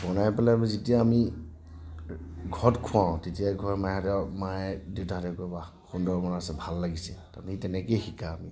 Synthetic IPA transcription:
bɔnajpalɛbɔzitijaːmi | ɡʱɔtkʰuwãw̃titijakʰuamajatɛmajdiwtatakɔba | xundɔɹmɔnasɛbʱalːaɡisɛtamitɛnɛkejxikaːmi

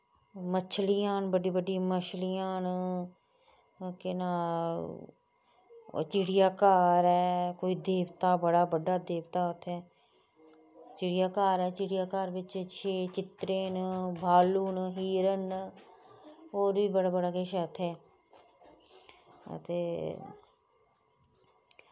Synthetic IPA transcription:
mət͡ʃʰlijãːnbəɖiːbəɖiməʃlijãːn | kɪnaː | t͡ʃɪɽɪjaːkaːɾɛːkoːiːd̪eːʋt̪aːbəɽaːbəɖaːd̪eːʋt̪aːʊt̪ʰɛː | t͡ʃɪɽɪjaːkaːɾɛːt͡ʃɪɽɪjaːkaːɾʋɪt͡ʃt͡ʃʰeːt͡ʃɪt̪ɾeːnbʱaːluːnɦiːɾən | oːɾbiːbəɽaːbəɽaːkeːʃət̪ʰɛː | ə̰t̪eː

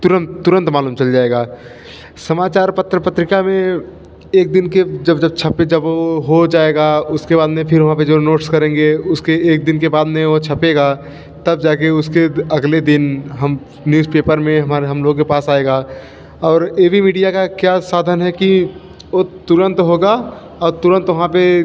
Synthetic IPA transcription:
t̪ʊɾə̃nt̪t̪ːʊɾə̃nt̪maːluːmt͡ʃɐld͡ʒaːeːɡaː | sɐmaːt͡ʃaːɾpət̪ɾəpət̪ɾɪkamẽ | eːk̚d̪ɪnked͡ʒɐbd͡ʒɐb̚t͡ʃʰɐped͡ʒɐbʋoɦod͡ʒaːeɡaʊskebaːd̪mẽpʰɪɾʋɐɦãped͡ʒonoːʈskɐɾẽːŋɡeʊskeeːk̚d̪ɪnkebaːd̪mẽʋot͡ʃʰɐpeːɡa | t̪ɐb̚d͡ʒaːkeʊskeɐɡled̪ɪnɦɐm | njuːzpeːpəɾmẽɦɐmaːɾeɦɐmloːɡokepaːsaːeːɡaː | ɔːɾjeːbʱimiːɖijakakjasaːd̪ʱənɦɛki | ot̪ʊɾə̃nt̪ɦoːɡa | ɔːɾt̪ʊɾə̃nt̪ʋɐɦãpe

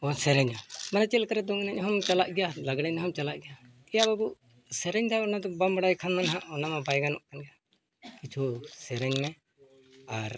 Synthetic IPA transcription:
ɔsɛɾɛɲamanat͡ʃɛlkaɾɛd̪ɔŋnaɲɦɔmt͡ʃalaʔɡɛjalaɡɽɛɲnɦɔmt͡ʃalaʔɡɛja | ɛjabaɡuʔ | sɛɾɛɲd̪aɔnad̪ɔbambaɽajkʰanmanɦaʔɔnamabajɡanɔʔkanɡɛja | kit͡ʃʰusɛɾɛɲmɛ | aɾ

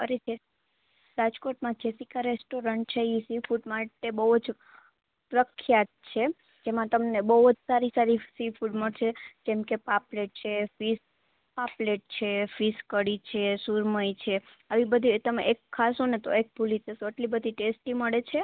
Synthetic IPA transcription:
əɾed͡ʒe | ɾad͡ʒkoʈmãd͡ʒesikaɾesʈoɾəɳʈ̚t͡ʃʰeisifuɖmãʈebəɦud͡ʒ | pɾəkʰjat̪̚t͡ʃʰe | d͡ʒemãt̪əmnebəɦud͡ʒsaɾisaɾisifuɖməɽt͡ʃʰed͡ʒɛmkepapleʈ̚t͡ʃʰefis | papleʈ̚t͡ʃʰefiskəɽit͡ʃʰesuɾməit͡ʃʰe | əʋibəd̪ʱit̪əmḛʔekʰːasonet̪oek̚bʱulisesoəʈlibəd̪ʱiʈesʈiməɭet͡ʃʰe

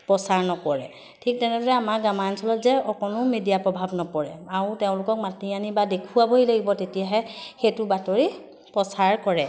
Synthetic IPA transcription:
pɹɔsaɹnɔkɔɹɛ | tʰik̚tɛnɛdɔɹɛamaɡamansɔlɔtzɛɔkɔnʊmidijapɹɔbʱabnɔpɔɹɛaɹʊteʊ̃lʊkɔk̚matianibadekʰuwaboɦilaɡibɔtetijaɦɛxetʊbatoɹi | pɹɔsaɹkɔɹɛ

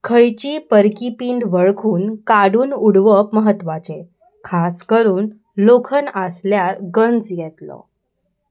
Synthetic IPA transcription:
kʰəjt͡ɕiːpəɾkipiɳɖʋəɭkʰuːnkaɽuːnuɽʋəpməɦət̪ːʋat͡ɕe | kʰaskəɾuːn | lokʰənəsljaɾɡənd͡zjɛt̪lɔ̰

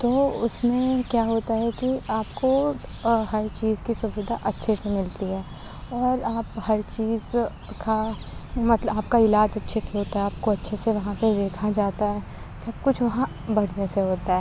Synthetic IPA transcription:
t̪oːʊsmẽkjaːɦoːt̪aɦɛkiaːpko | hɐɾt͡ʃiːzkisʊʋɪd̪ʱaʔɐtːʃʰesemɪlt̪iɦɛː | ɔːɾaːphɐɾt͡ʃiːz | ka | mɐt̪ləaːp̚kaɪlaːd͡ʒɐtːʃʰeseɦoːt̪aɦɛaːp̚koɐtːʃʰeseʋɐɦãped̪eːkʰad͡ʒaːt̪aɦɛː | sɐb̚kʊt͡ʃʰʋɐɦã | bɐɽ̤neseɦoːt̪aɦɛː

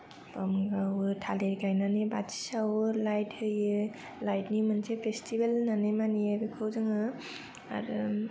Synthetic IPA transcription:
pamɡawɯtʰaleɾkajnanebati̥sawɯlajthɯjɯ | lajtnimɯnsʰepʰestʰibelnanɯmaniabɯkʰɯwzɯŋɯ | a̰ɾɯ

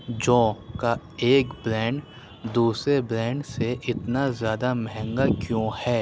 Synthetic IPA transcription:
d͡ʒɔ̃ːka | eːkbɾɛ̃ːɳɖ | d̪uːsɾebɾɛ̃ːɳɖseʔɪt̪nazjaːd̪amɛɦɛ̃ŋɡakjõːhɛː

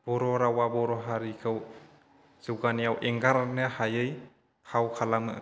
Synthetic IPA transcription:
b̥ɔɾɔɾawabɔɾɔɦaɾikʰɯw | z̥ɯwɡanijawʔeŋɡaɾnɯhajɯj | kʰawkʰalamɯ

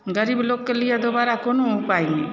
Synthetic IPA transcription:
ɡəɾiblokːəlijad̪ɔbaɾakɔnopajni

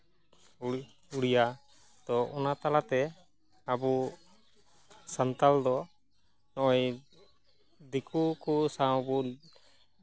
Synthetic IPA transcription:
uɽija | t̪ɔʔɔnat̪alat̪ɛ | abu | sant̪ald̪ɔ | nɔɔj | d̪ikukusãbu

